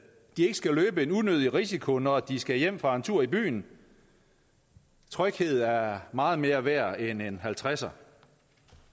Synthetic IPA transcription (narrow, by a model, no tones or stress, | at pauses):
d̥ie̝ɡ̥ə̥sɡ̥æløːb̥əe̝nunøð̞ˠiʁisikʰo̝nɒd̥isɡ̥æjem̰fʁɑ̈nt͡sʰuɐ̰ib̥y̰ːn | t͡sʰʁœɡ̥he̝ð̞̩ˠæɐmɑ̈ːð̞̩ˠme̝ːɐʋæɐ̰enenɦælt͡sʰʁasɐ